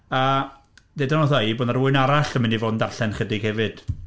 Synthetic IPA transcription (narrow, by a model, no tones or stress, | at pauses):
a | dedanɔθɔiboːdnaɾuːɨnaɾaɬəmɪnivoːdndarɬɛnχədɪɡ̥hɛvɨd̥